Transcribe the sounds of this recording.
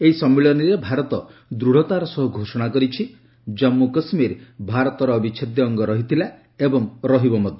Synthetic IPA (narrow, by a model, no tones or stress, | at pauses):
eisɔmːiɭɔniɾebʱaɾɔt̪ɔd̪ɾuɽ̤ɔt̪aɾɔsɔɦuɡʱosɔɽ̃akɔɾit͡ʃʰi | d͡ʒɔmːukɔsmiɾbʱaɾɔt̪ɔɾɔːbit͡ʃʰɔd̪jɔːŋɡɔɾɔɦit̪ʰila | ebɔŋɾɔɦibɔmɔd̪ʱjɔ